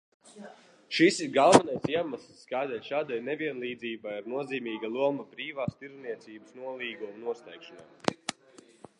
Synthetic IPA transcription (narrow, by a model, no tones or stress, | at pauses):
ʃisiɾɡalˠvɛnajsiɛmaslˠsːkajd̪ajʃaːd̪ajnevʲiɛnlˠiːd̪ziːbajaɾnuɔziːmiːɡalˠuɔmabɾiːvaːst̪iɾzniɛt̪siːbəsnuɔlˠiːɡumunuɔslʲɛjkʃɔnaj